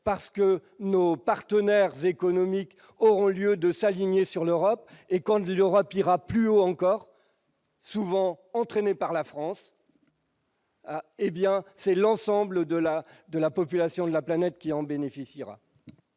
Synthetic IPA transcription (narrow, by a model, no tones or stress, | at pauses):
paʁsə̥kənopaʁt̪ənɛʁzekɔnɔmik | ɔʁɔ̃ljød̪əsaliɲesyʁløʁɔpekɑ̃løʁɔpiʁaplyoɑ̃kɔʁ | suvɑ̃ɑ̃t̪χenepaʁlafχɑ̃s | ebjɛ̃sɛlɑ̃sɑ̃bləd̪əlad̪əlapɔpylasjɔ̃d̪əlaplanɛt̪kʲiɑ̃benefisiʁa̰